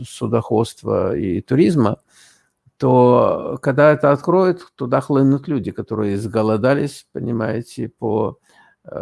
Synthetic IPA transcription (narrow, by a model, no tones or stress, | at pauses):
sʊd̪ɐxo̞t̪st̪və̰ḭt̪ʊɾʲizmə | t̪okɐɡ̚d̪aɛt̪əɐt̪kɾo̞jɪt̪t̪ːʊd̪axlˠɨnʊt̪lʲudʲɪkɐt̪o̞ɾɨjəzɡəlˠɐd̪alʲɪsʲpənʲɪmajɪtʲɪpo